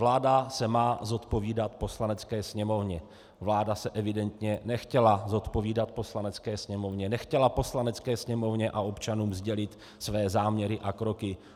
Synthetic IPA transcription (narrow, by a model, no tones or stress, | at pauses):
vlaːdasɛmaːzo̞t̪po̞viːdat̪po̞slanɛt͡skɛːsɲɛmo̞vɲɛ | vlaːdasɛʔɛvɪdɛnt̪ɲɛnɛxcɛlazo̞t̪po̞viːdat̪̚po̞slanɛt͡skɛːsɲɛmo̞vɲɛnɛxcɛlapo̞slanɛt͡skɛːsɲɛmo̞vɲɛʔao̞pt͡ʃanuːmzɟɛlɪt̪ | svɛːzaːmɲɛɾɪʔakɾo̞kɪ